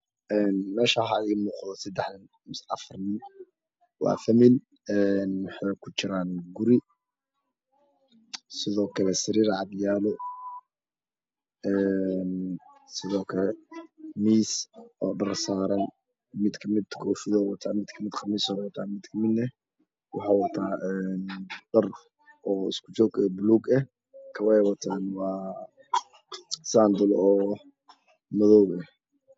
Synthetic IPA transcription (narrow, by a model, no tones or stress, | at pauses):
ʔɛːnmɛːʃaɦaimuːqðɔsɐd̪ɛħdɐn | msɑ̰fɐrnɪn | wɑ̰ːfɐmɪl | ɛnwɑħɑjkʰʊt͡ʃɪɾaːnɡʊɾi | sɪðɔːkʰɐlɛsɪɾiːɾʕɑd̪jaːlɔ | ɛnsɪðɔːkʰɐlɛmiːsʔɔːɖɐrsaːɾɐn | mɪd̪kʰɐmɪd̪kʰɔːfɪðɔːwɐt̪ʰaːmɪd̪kʰɐmɪd̪qɑmɪsɔɾwɐt̪ʰaːmɪd̪kʰɐmɪd̪nɛ | wɑħɑːwɐt̪ʰaːɛnɖɐr | ʔɔːɪ̰skʰʊ̥t͡ʃɔːɡɛːbʊluːɡɐh | kʰɐwɛjwɐt̪ʰaːnwɑː | saːnd̪ʊlɔː | mɐðɔwɡɐh